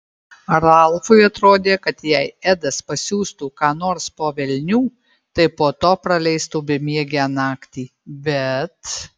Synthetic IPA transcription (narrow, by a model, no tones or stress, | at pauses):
ɾɐlˠfʊɪɐt̪ɾoːd̪ʲeːkɐt̪jɛɪæd̪ɐspɐsʲuːst̪uːkɑːnoːɾspoːʋʲɛlʲnʲuː | t̪ɐɪpoːt̪oːpɾɐlʲɛɪst̪uːbʲɪmʲiɛɡʲænɑːkt̪ʲiː | bʲɛt̪